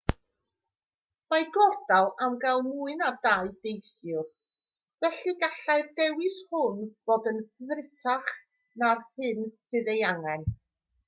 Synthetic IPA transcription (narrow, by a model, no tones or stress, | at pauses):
majɡɔrd̥alˠamɡalˠmuɨnadaɨdejsjʊr | vɛɬɨɡaɬajrdɛwɪshʊnb̥oːdənðrɪtʰaχ | narhɨnsɨðejaŋɛn